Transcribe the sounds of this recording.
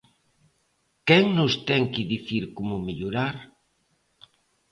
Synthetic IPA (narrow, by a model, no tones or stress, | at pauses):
kɛŋnʊst̪ɛŋkɪðiθiɾkomʊmeʎuɾaɾ